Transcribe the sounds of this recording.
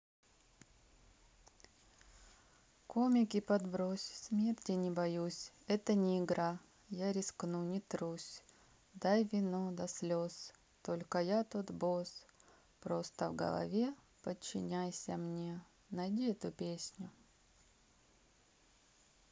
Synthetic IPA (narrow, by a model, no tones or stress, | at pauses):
komʲɪkʲɪpɐd̪bɾosʲsʲmʲe̞rtʲɪnʲɪbɐjusʲ | ɛt̪ənʲɪɪɡɾa | jaɾʲɪsknunʲɪt̪ɾusʲ | d̪ajvʲɪnod̪ɐsʲlʲos | t̪o̞lʲkəjat̪ot̪bos | pɾo̞st̪əvɡə̰lˠɐ̰vʲe̞ | pət͡ɕːɪ̰nʲæjsʲəmnʲe̞ | nɐjdʲiɛt̪ʊpʲesʲnʲʊ